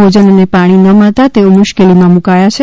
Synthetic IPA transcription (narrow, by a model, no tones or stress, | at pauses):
od͡ʒənənepaɽ̃inəməɭt̪at̪eomʊʃkelimãmukajat͡ʃʰe